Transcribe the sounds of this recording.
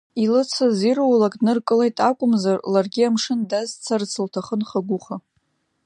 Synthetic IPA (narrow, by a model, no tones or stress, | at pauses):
ilɨt͡sʰazirwalakʼnɨrkʼɨlejtʼakʷʼʊmzarlarɡʲiamʂɨndazt͡sʰart͡sʰɨltʰaχənχaɡʷʊχa